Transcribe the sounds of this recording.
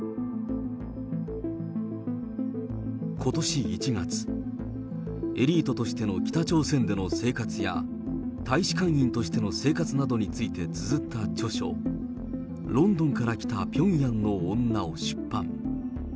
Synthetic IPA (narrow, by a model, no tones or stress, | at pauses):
kʰo̞t̪o̞ɕiit͡ɕiɡat͡sɨ̥ | e̞ɾʲiːt̪o̞t̪o̞ɕi̥t̪e̞no̞kʲi̥t̪at͡ɕo̞ːsẽ̞nd̪e̞no̞se̞ːkat͡sɨja̰ | t̪aiɕi̥kãɰ̃ĩnt̪o̞ɕi̥t̪e̞no̞se̞ːkat͡sɨnad̪o̞ɲ̟it͡sɨit̪e̞t͡sɨzɨt̪ʰːat͡ɕo̞ɕo̞̰ | ɾõ̞nd̪õ̞ŋkaɾakʲi̥t̪apʲõ̞ɰ̃jãnːõ̞ːnːaoɕɨ̥pːã̰ŋ